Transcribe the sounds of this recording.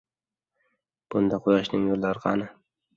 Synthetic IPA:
b̥ʊnd̪aqʰojaʃnɪŋjolːaɾɪqʰɑ̰nɪ

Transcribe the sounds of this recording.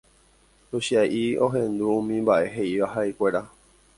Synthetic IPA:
uɕiajʔioɦẽnd̪uũmĩmbaʔe̞ɦeiʋaɦaikʷeɾa

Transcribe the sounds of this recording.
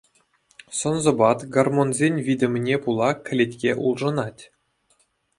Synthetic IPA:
sɤ̆nzɤ̆bɑt̪ɡarmonzʲenʲvʲidʲɘ̆mʲɘnʲepulˠɑkʲɘ̆lʲetʲkʲeʔulˠʐɤ̆nɑtʲ

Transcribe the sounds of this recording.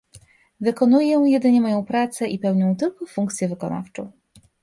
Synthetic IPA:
vɘkɔnujɛjɛd̪ɘɲɛmɔjɔ̃w̃pɾat̪sɛʔipɛwɲɔ̃w̃t̪ɘlkɔfuŋkt̪sʲjɛvɘkɔna̰ft͡ʂɔ̰̃w̃

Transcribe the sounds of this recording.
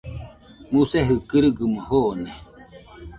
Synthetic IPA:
museɦɯkɨɾɯɡɨmahone

